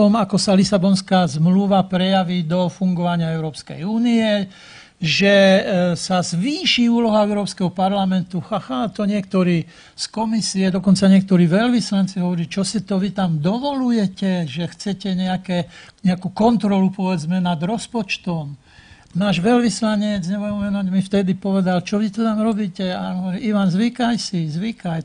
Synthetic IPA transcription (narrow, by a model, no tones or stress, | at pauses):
ɔmakɔsalisabɔnskaːzmluʋapɾɛjaʋiːd̪ɔfuŋɡɔʋaɲɪaɛʊɾɔːpskɛ̰juːniɛ | ʒɛsazʋiːʃiuːlɔɦaɛʊɾɔːpskɛɦɔpaɾlamɛnt̪uxaxat̪ɔɲɪɛkt̪ɔɾiː | skɔmisiɛd̪ɔkɔnt͡saɲɪɛkt̪ɔɾiːʋɛʎʋislant͡siɦɔʋɔɾilt͡ʃɔsit̪ɔʋit̪amd̪ɔʋɔlujɛcɛʒɛxt͡sɛcɛɲɛakɛɲɛakuːkɔnt̪ɾɔlupɔʋɛd͡zmɛnad̪ɾɔspɔt͡ʃt̪ɔm | naːʒʋɛlʋislaɲɛd͡zɲɛbujɛʋɛnuɟmift̪ɛd̪ipɔʋɛd̪alt͡ʃɔʋit̪ɔt̪amɾɔbiːcɛaɦɔʋɔɾiːʔiʋanzʋikajsizʋikaj